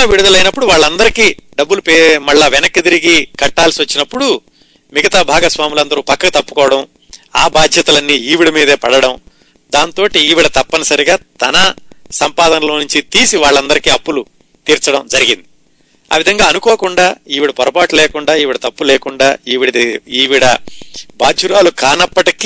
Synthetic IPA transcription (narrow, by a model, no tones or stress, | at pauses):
ɐʋiɽud̪ɐlɐjnɐpːuɽuʋaːɭːɐnd̪ɐɾikiːɖɐbːulupemɐɭːaːʋɛnɐkːit̪iɾiɡikɐʈːaːlsiʋɐt͡ʃːinɐpːuɽu | miɡɐt̪aːbʱaːɡɐsʋaːmulɐnd̪ɐɾuːpɐkːɐɡɐt̪ɐpːu̥kɔːʋɐɽɐm | aːbaːd̪ʱjɐt̪ɐlɐnːiiːʋiɽɐmiːd̪eːpɐɽɐɽɐm | d̪aːnt̪o̞ːʈiːʋiɽɐt̪ɐpːɐnɐsɐɾiɡaːt̪ɐnɐsɐmpaːd̪ɐnɐlo̞ːnuɲt͡ʃit̪iːsiʋaːɭːɐnd̪ɐɾikiːɐpːulu | t̪iːɾt͡ʃɐɽɐmd͡ʒɐɾiɡind̪i | a̰ːʋid̪ʱɐŋɡaːɐnukɔːɐkuɳɖaːiːʋiɽɐpɔɾɐpaːʈulɛːkuɳɖaːiːʋiɽɐt̪ɐpːulɛːkuɳɖaːiːʋiɽɐiːʋiɽɐbʱaːd͡ʒuɾaːlukaːnɐpːɐʈik